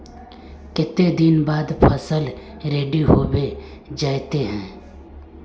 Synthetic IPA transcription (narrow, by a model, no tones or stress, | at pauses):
kɪt̪ːed̪inbaːd̪pʰəsəl | ɾeːɖiɦoːbe | d͡ʒaːjt̪eɦɛ̃ː